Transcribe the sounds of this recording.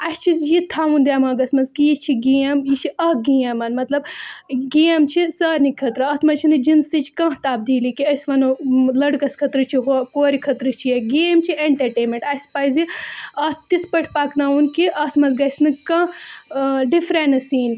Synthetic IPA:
ɐst͡ʃʰijit̪ʰaːʋund̪ʲaːmaːɡɐsmɐnzkijit͡ʃʰiɡiːɐmjit͡ʃʰiɐhɡiːɐmɐnmɐt̪lɐbɡeːmt͡ʃʰisɐːɾnikʰɐt̪ɾɨɐt̪ʰmɐt͡ʃʰinɨd͡ʒinsit͡ʃkɐ̃t̪aːb̚d̪iːlikiɐsʋɐnulɐɽɡɐskʰɐt̪ɾɨt͡ʃʰiɦokoːɾikʰɐt̪ɾɨt͡ʃʰijɐɡeːmt͡ʃʰieɳʈɐɾʈeːmẽɳʈɐsʲpɐjziɐtt̪it̪ʰpɐʈʰpaknaːunkiʔɐt̪ʰmɐnzɡɐsʲnɨkɐ̃ | ɖifɾenɨsiːn

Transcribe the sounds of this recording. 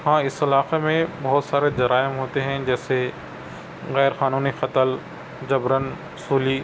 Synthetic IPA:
hãːɪsɐlaːqemẽbɐɦʊt̪saːɾed͡ʒɐɾaːɪmɦoːt̪eɦɛ̃d͡ʒɛːse | ɣɛːɾxaːnuːnixɐt̪əl | d͡ʒɐbɾən | suːliː

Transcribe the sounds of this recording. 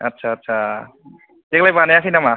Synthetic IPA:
ʌtːsʰaːtːsʰa | teklajbanajaksinama

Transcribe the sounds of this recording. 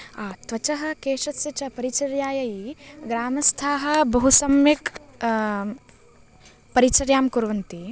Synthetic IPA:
aːt̪ʋɐt͡ʃɐɦɐ̆keːʂɐsjɐt͡ʃɐpɐɾit͡ʃɐɾjaːjɐjiɡɾaːmɐst̪ʰaːɦɐ̆bɐɦusɐmjɐk | pɐɾit͡ʃɐɾjaːmkuɾʋɐnt̪i

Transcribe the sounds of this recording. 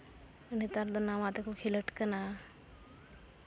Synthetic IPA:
ənit̪aɾd̪ənamat̪ekʰukʰiləʈkəna

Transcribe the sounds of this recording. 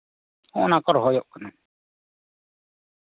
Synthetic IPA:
õ̰ːnaːkɔɾɦoːjoʔkənaː

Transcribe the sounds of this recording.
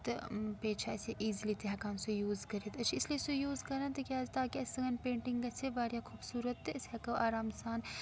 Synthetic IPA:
t̪peːt͡ʃʰaɛːseʔiːzlit̪eɦɐkãːmsujuːzkɐɾeːt̪ɐt͡ʃʰiɪsliesujuːzkɐɾant̪ɐkjaːd͡ʒt̪aːkiɐsɐɡɐnpẽːɳʈɪŋɡɐt͡ʃʰebaːɾjakʰuːbsuːɾət̪ːɛɪsɦɐkɐʔaːɾaːmsaːn

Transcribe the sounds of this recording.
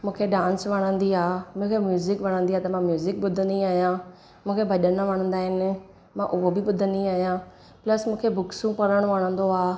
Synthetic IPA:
mʊ̃ːkʰeːɖãːnsʋəɽ̃ə̃nd̪iːaːmʊ̃ːkʰeːmjuːzɪkʋəɽ̃ə̃nd̪iːaːt̪amãːmjuːzɪk̚bʊd̪ʱənĩːaːjãː | mʊ̃ːkʰeːbʱəɗənãːʋəɳ̃ə̃nd̪aːɦɪn | mãːʔʊoːbʱiːbʊd̪ʱənĩːaːjãː | pləsmʊ̃ːkʰeːbʊksũːpəɾəɽ̃ʋəːɽ̃ə̃nd̪oːaː

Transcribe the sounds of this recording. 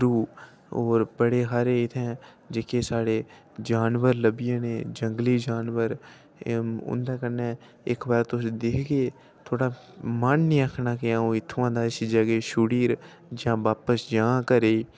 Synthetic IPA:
ɾuː | oːɾbəɽeːɦaːɾeːɪt̪ʰɛ̃ː | d͡ʒeːkeːsaːɽeː | d͡ʒaːnʋəɾləbɪjãːnẽːd͡ʒəŋɡliːd͡ʒaːnʋəɾ | ʊ̰nd̪aːkənɛː | ɪkbaːɾt̪ʊsd̪eːkʰɡeː | t̪ʰoːɽaː | mənnĩːəkʰnaːkɪãːõːɪt̪ʰːʊãːd̪aːɪsd͡ʒəɡeːʃuːɽiːɾ | d͡ʒãːʋaːpəsd͡ʒãːkəɾeː

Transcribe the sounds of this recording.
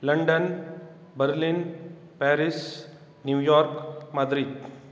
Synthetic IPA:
lɐɳɖən | bɐɾlin | pɛːɾis | njuːjɔːɾkmɐd̪ɾid̪

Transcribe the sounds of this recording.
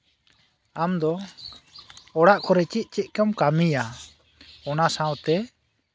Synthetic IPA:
amd̪ɔ | ɔɽaʔkɔɾɛt͡ʃit̪̚ˀt͡ʃɛt̪̚ˀkamkamija | ɔnasãwt̪ɛ

